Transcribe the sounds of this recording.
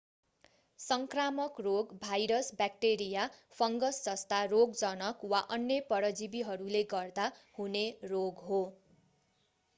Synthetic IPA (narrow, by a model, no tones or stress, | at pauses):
sʌŋkramʌkroɡbʱajɾʌsbak̚ʈeɾijapʰʌŋɡʌsd͡zʌst̪aroɡd͡zʌnʌkwaʔʌnjʌpʌɾʌd͡zibiɦʌɾuleɡʌrd̪ahuneroɡɦo